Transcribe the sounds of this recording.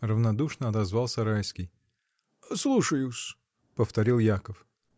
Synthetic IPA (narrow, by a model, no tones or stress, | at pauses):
rəvnɐd̪uʂnəɐt̪ɐzvɑlˠsʲɐɾajskʲɪj | slˠuʂəjʊsʲ | pəft̪ɐɾʲilˠjakəf